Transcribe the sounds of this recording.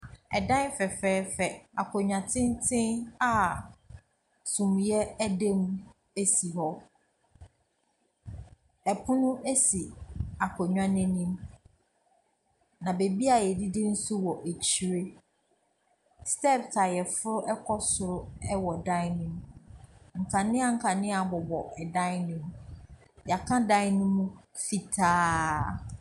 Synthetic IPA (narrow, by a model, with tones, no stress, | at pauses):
ɛ˨dã˦n˦fɛ˨fɛː˦fɛ˨a˨kʰɔ˨ɲᶣã˨tʰɪ̃˦n˦tʰɪ̃˦a˦ | sũ˨m˨jɛ˦æ˦dẽ˦m | e˦si˨ɦɔ˦ | ɛ˨pʰʊ̃˦nʊ̃˦ʔe˦si˨a˨kʰɔ˨ɲᶣã˦nɪ̃˦nĩ˦m | nã˨be˨bi˦a˨jɛ˨di˦dɪ˦n̩˦su˦wɔ˨ʔe˨t͡ɕʰi˨ɾe˦ | stɛ˦˨btʰa˨jɛ˨fʊ˦ɾʊ˦ʔɛ˦kʰɔ˦sʊ˨ɾʊ˦ɛ˦wɔ˨dã˦ɪ˦nɪ̃˦m | ŋ̩˨kʰã˨nɪ̃˦a˨ŋ̩˦kʰa˨nɪ̃˦a˨bɔ˨bɔ˨ɛ˨dã˦ɪ˦nɪ̃˦m | ja˨kʰã˦dã˦ɪ˦nʊ̃˦mũ˦fi˨tʰaː˦